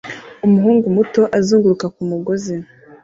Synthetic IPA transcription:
umuɦuːŋɡumuto̞ʔazuːŋɡuɾukakumuɡozi

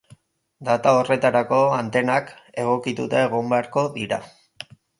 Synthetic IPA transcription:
d̪at̪aore̞t̪aɾako̞ant̪e̞nake̞ɣ̞o̞kit̪ut̪eːɣ̞ombeaɾko̞ðiɾa̰

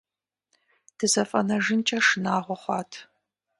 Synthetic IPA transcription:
d̥ʰɨzɐfʼɐnɐʒɨnt͡ʃʼɐʂɨnaːʁʷɔχʷɑːtʰ

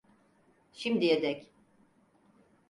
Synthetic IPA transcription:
ʃimd̪ijed̪ɛc

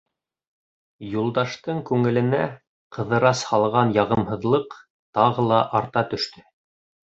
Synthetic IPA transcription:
julˠd̪ɑʃt̪ɤɴkʉŋɘ̆lɘ̆næ | qɤ̆ðɤ̆ɾɑshɑlˠʁɑnjɑʁɤ̆mɦɤ̆ðlˠɤq | t̪ɑʁɤlˠɑʔɑɾt̪ɑt̪ɵ̆ʃt̪ɵ

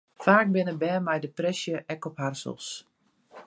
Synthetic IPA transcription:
faːk̚bɪnəbɛːmɛjdəprɛsjəʔɛkɔpharsə̰lˠs

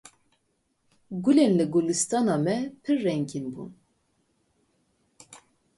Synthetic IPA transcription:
ɡulenlɨɡulɨst̪ɑnɑːmɛpʰɨrːɛŋkʰinbṵn

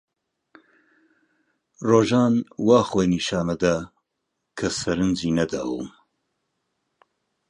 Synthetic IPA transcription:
roːʒaːnwaːχoːjniʃaːmɐd̪a | kʰɐsɐɾɨnd͡ʒiːnɐd̪a̰ːwṵm

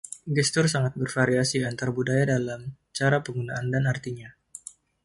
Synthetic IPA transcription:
ɡɛst̪ʊrsaŋat̪̚bərfaɾiasiant̪arbudajadalam | t͡ʃaɾapəŋɡunaʔandanart̪iɲa

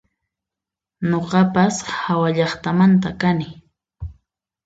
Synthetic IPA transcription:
ɲoqɑpashawaʎɑχt̪amant̪akanɪ

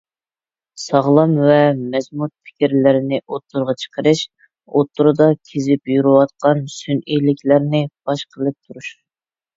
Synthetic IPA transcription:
sɑʁlˠɑmvɛmɛzmut̪̚pʰɪ̥kʲiɾlɪɾɪnɪʔot̪ʰːʊɾʁɑt͡ʃʰə̥qʰəɾɨʃ | ot̪ʰːuɾɨd̪ɑkʲʰezɪpjuɾɨwɑt̪̚qɑnsynilɪkʲʰlæɾnɪb̥ɑʃqʰəlˠɨp̚t̪ʰuɾuʃ

